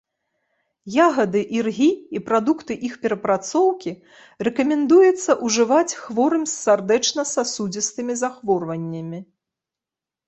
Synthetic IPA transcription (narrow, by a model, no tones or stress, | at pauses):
jaɣɐd̪ɨʔirɣʲiipɾad̪ukt̪ɨʔixpʲɛɾɐpɾat̪sɔwkʲi | rɛkɐmʲɛnd̪ujɛt̪sːɐʔuʐɨvat͡sʲxvɔɾɨmʲsːard̪ɛt͡ʂnɐsasud͡zʲist̪ɨmʲizaxvɔrvɐnʲːɐmʲi